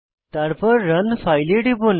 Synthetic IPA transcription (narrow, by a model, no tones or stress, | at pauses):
t̪aɾpəɾɾənfajliʈipun